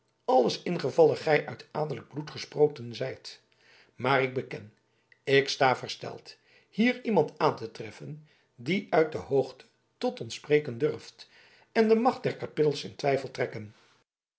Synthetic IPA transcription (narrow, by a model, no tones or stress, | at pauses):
ɑləsɪnχəvɑlˠəχɛjʔœɥtaːdələɡ̚blutχəsprowkənzɛjt | maːrɪɡ̚bəkɛ̰n | ɪkstaːvəɹstɛ̰lˠt | hiːrimɑntaːntətrɛfən | diʔœɥt̚dəɦowχtʰə̥ | tɔtɔnsprejkəndɵɹft | ɛndəmɑχt̚dɛɹkapɪtəl̩ˠsɪ̰ntʋɛjfəlˠtrɛkən